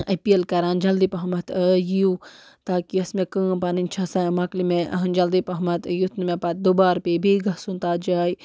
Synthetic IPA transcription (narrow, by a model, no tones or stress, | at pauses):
ɐpiɐlkɐɾaːnd͡ʒɐld̪ipɐɦɐmɐt̪əjiju | t̪aːkiɐsmekə̃ːpɐnint͡ʃʰɐsaːjmɐklimeʔɐ̰ɦɐnd͡ʒɐld̪ipɐɦmɐt̪jut̪nmẽpɐt̪̚d̪ubaːɾpebʱiɡɐsunt̪aːt̪d͡ʒaːj